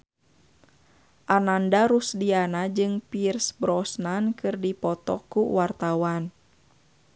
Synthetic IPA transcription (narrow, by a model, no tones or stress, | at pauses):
ʔanandaɾusdianad͡ʒɨŋpirsbɾɔsnankɨrdipɔt̪ɔ̰kːuwart̪awan